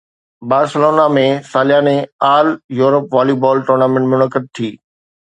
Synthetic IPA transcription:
baːɾsəloːnamẽsaːljaːnẽaːljuːɾəpʋaːlibɔːlʈoːɾnaːmẽɳʈmʊnəkəd̪̚t̪ʰiː

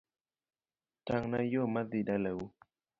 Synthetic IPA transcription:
taŋnajomadidalew

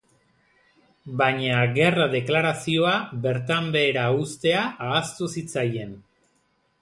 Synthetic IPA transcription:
baɲaɣe̞raðe̞klaɾasio̞aβe̞ɾt̪ambe̞ːɾaust̪e̞aaːst̪usit͡saje̞n

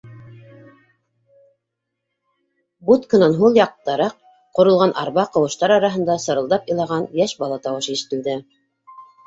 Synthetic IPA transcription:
but̪kɤ̆nɑnɦulˠjɑq̚t̪ːɑɾɑq̚ | qŏɾɤ̆lˠʁɑnʔɑ̰ɾβɑqɤ̆wɤ̆ʃt̪ɑɾɑɾɑɦɤ̆nd̪ɑsɤ̆ɾɤ̆lˠd̪ɑpɤ̆lˠɑʁɑnjæʃbɑlˠɑt̪ɑwɤʃiʃɘ̥̆t̪ɘ̆ld̪ɘ

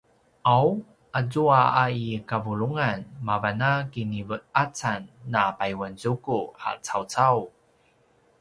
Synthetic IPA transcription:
ʔaw | ʔazuaaikavuluŋanmavanakinivət̚at͡sanːapajwanzukuha̰t͡sawt͡saw

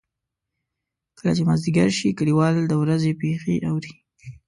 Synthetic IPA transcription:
kəlat͡ʃemazd̪iɡaɾʃikəɽiwɑld̪əwɾazepexeʔawɾi

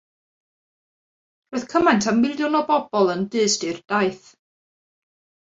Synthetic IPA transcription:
roɨðkʰəmajntʰammɪlˠjʊnɔbɔbɔlˠəndɨːstɨrd̥ajθ

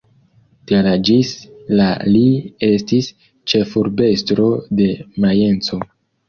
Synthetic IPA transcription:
telad͡ʒislalie̞stis | t͡ʃe̞fuɾbe̞stɾo̞de̞maje̞nt͡so̞

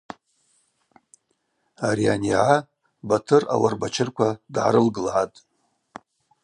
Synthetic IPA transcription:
aɾianiʕa | batʰɨra̰warbat͡ʃʰɪrkʷʰadʕaɾɨlɡɨlʕatʼ

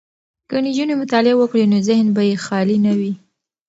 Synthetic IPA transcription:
kənid͡ʒunemʊt̪ɑlɪawəkɽenozɪhnbajexɑlinawi

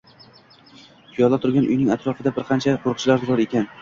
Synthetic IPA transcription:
pʰʊjɒlˠat̪ʰʊɾɡʲanʔʊ̰jnɪŋʲat̪ɾɒfɪd̪abɪɾqʰɑnt͡ʃʰaqʰoɾq̚t͡ʃʰɪlaɾzʊɾɒɾe̞kʲʰan

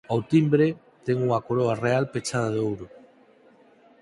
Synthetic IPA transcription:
awt̪imbɾe | t̪ɛŋuŋakoɾoarealpet͡ʃaðaðeowɾʊ

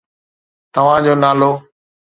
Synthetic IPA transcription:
t̪əʋ̤ãːd͡ʑoːnaːloː

